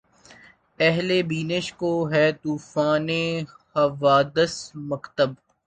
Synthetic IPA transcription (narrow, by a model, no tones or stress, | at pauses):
ɛɦlebiːnəʃkoɦɛːt̪uːfaːnehɐʋaːd̪əsmɐkt̪əb̚